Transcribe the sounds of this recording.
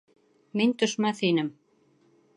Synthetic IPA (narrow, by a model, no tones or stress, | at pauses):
mint̪ɵ̆ʃmæθhinɘm